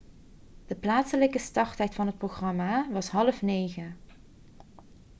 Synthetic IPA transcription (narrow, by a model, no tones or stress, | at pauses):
d̥əplaːtsələkəstɑrtɦɛjtfɑnɦət̚proɣrɑmaʋɑsɦɑləfnejɣə